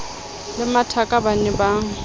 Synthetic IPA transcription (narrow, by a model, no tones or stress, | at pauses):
lɪmatʰakʼabanɛbaːŋ̩